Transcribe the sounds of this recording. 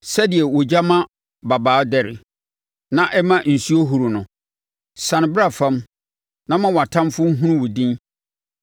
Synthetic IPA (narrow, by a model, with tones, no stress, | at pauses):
sɛ˦di˨ɛ˨wɔ˨d͡ʑa˦mã˦ | ba˨baː˨˦dɛ˨ɾɪ̰˨ | nã˦ʔɛ˦mã˦n̩˨su˦o˦ɦu˨ɾʊ˨nʊ̃˨ | sã˨ñ˨bɪ˦ɾa˨fã˦m | nã˦mã˦wɔ˨a˨tʰã˦mfʊ˦m̩˦ɦũ˦ɾʊ̃˦wʊ˨dĩ˦n